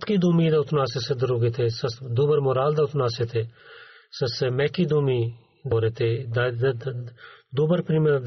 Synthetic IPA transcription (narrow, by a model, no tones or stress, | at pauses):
t̪kiːd̪uːmiːd̪aʊt̪naːsesed̪əɾuːɡet̪ʰeːsəsd̪oːbəɾmoːɾaːld̪aːʊt̪naːset̪ʰeː | səsemɛ̃ːkiːd̪uːmiː | d̪oːɾeːt̪ʰeːd̪a | d̪oːbəɾpɾiːm